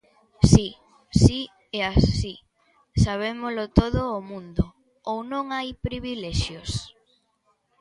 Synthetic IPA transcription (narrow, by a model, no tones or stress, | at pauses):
si | si | ɛasi | saβ̞emolʊt̪oðʊːmũnd̪ʊ | ownõŋajpɾiβilɛʃjʊs